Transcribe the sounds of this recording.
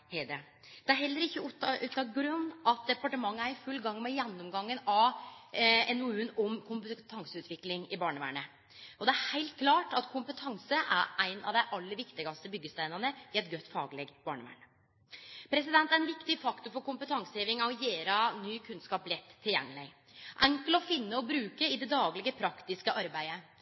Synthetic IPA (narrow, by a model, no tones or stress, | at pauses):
hed̪ɛ | d̪̥ɛæɾɦhɛlːəɾɪçːəʉt̪ʔʉːt̪ɑɡɾʉnːʔɑt̪̚d̪ɛpɑʈəmɑŋːəæɾɪfʉlːɡɑŋːmɛjɛnːɔmɡɑŋːənɑʋ | ɛnuːənɔmkʰʊmpət̪ʰɑŋsəʉːt̪ʋɪklɪŋɪbɑːɳəʋæ̰ːɳə | ɔd̪ɛæɾhæɪlt̪̚kʰlɑːʈɑt̪kʰʊmpət̪ʰɑŋsəʔæ̰ɾʔæɪnɑ̰ʋd̪æɪʔɑlːəɾʋɪkt̪ɪɡɑst̪əbʏɡːəst̪æɪnəɾnəɪɛt̪̚ɡœt̪ːfɑːɡəlɛɡbɑːɳəʋæ̰ːɳə | pʰɾɛsɪd̪ɛnt̪æɾɛnʋɪkt̪ɪfɑkt̪ʊɾfɔɾkʊmpət̪ʰɑŋsəheːʋɪŋɑɔjeːɾɑnyːkʰʉnskɑːplɛt̪ʰːɪljɛ̰ŋːlɪ̰ | ʔɛŋkələɔfɪnːəɔbɾʉːkəɪd̪ɛd̪ɑːɡlɪɡəpʰɾɑkt̪ɪskəʔɑɾbæɪə